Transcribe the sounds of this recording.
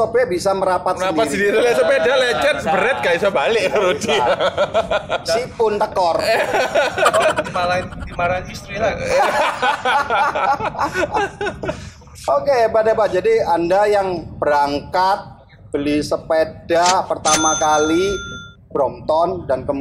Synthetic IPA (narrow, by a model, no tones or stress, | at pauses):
sopɛbisaməɾapat̪̚əandiat̪səndiɾilis̬əpedalɛt͡ʃɛnbəɾɛt̪̚kais̬abalɪʔaɾodia | sipʊnt̪əkɔr | imalant̪imalanist̪ɾila | okebadabad͡ʒadiandajaŋbəɾaŋkat̪̚ | b̥əlisəpedapərt̪amakali | b̥ɾɔmt̪ɔndankəm